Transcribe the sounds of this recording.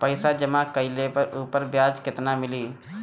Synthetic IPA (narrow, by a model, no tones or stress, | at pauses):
pəɪsad͡ʒəmãkəɪlepəɾʔuːpəɾbjaːd͡ʒkɪt̪namɪliː